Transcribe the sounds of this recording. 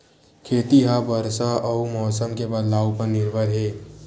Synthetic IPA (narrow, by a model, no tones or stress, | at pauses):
kʰeːt̪iɦabəɾsaʔɔmɔːsəmkebɐllaːwpəɾnɪɾbəɾɦɛː